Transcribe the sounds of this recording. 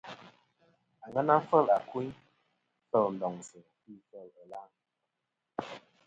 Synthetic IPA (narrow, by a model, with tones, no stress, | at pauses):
a˨ŋə˦na˦fə˦˨la˨ku˦ | fə˦˨ln̩˨dɔ˨ŋsi˨ŋ˨pi˦˨fə˦˨lə˦la˦ŋ